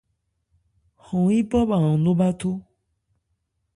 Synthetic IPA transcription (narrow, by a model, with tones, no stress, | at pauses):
xɔ̃˨˦ĩ˦bɔ˦ba˨ɔ̃˨nõ˦ba˦t̪o˦